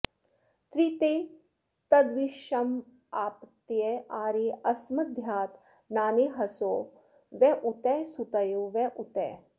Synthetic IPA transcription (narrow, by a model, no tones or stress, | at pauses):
t̪ɾit̪eː | t̪ɐd̪ʋiʃɐm | aːpt̪ːjeaːɾeːɐsmɐd̪ʱjaːt̪ | naːneɦɐsoː | ʋɛʔut̪ɛsut̪ɐjoːʋɛʔut̪ɛː